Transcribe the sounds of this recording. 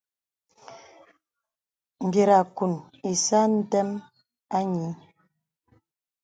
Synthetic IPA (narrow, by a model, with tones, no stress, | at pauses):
m̩˨bje˨ɾa˨ku˨n | e˨sa˦n̩˦tɛ˦m | a˦ɲi˨˦